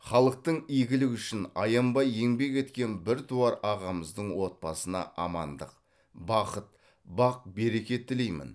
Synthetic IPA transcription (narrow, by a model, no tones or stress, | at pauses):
χɑlˠəq̚t̪əɴijɡʲɪlɪkʲʏʃɪnɑjɑmbɑje̞ŋbe̞kʲe̞t̪kʲe̞nbɪɾt̪ʰuɑɾɑʁɑməzd̪əɴwo̞t̪̚pɑsənɑ̰ʔɑmɑnd̪əq | bɑqət̪̚ | bɑq̚be̞ɾe̞kʲe̞t̪ʰːɪle̞jmɪ̰n